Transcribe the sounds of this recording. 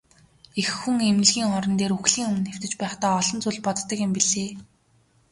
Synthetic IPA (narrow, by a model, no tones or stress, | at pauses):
exːuŋemɘ̆ɮɣʲiːŋɔɾɞ̆nt̪eːɾuxɮiːŋɵmɘ̆nxew̥t̪ɘ̆t͡ɕpæːχt̪aːɔɮɞ̆nt͡suːɮpɔt̪ːə̆kjɪ̆mpiɮeː